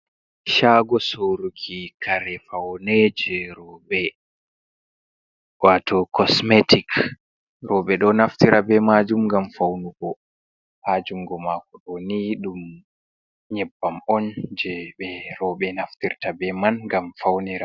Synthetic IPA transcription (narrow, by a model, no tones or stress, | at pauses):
ʃaːɡɔsoɾukʰikʰaɾɛfawnɛd͡ʒɛɾɔɓɛ | watʰɔkɔsmetik | ɾɔɓɛɗɔnaftiɾabɛmad͡ʒumɡamfawnuɡɔ | had͡ʒuŋɡɔmakɔɗɔniɗum | ɲɛbːamɔnd͡ʒɛɓɛɾɔɓɛnaftiɾtabɛmanɡamfawniɾa